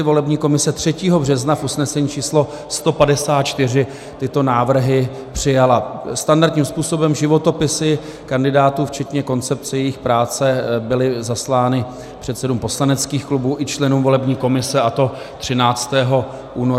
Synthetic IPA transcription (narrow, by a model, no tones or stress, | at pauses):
ɪvo̞lɛbɲiːko̞mɪsɛt̪r̝̥ɛciːɦo̞brɛznafʔusnɛsɛɲiːt͡ʃiːslo̞ | st̪o̞padɛsaːt̪̚t͡ʃt̪ɪr̝ɪ | t̪ɪt̪o̞naːvr̩ɦɪ | pr̝̥ɪjalast̪andaɾdt̪ɲiːmspuːso̞bɛmʒɪvo̞t̪o̞pɪsɪ | kandɪdaːt̪uːft͡ʃɛt̪ɲɛko̞nt͡sɛp̚t͡sɛjɛjɪxpɾaːt͡sɛbɪlɪzaslaːnɪ | pr̝̥ɛt̪sɛduːmpo̞slanɛt͡skiːxklubuːʔɪt͡ʃlɛnuːmvo̞lɛbɲiːko̞mɪsɛʔat̪o̞ | t̪r̝̥ɪnaːt͡st̪ɛːɦo̞ | ʔuːno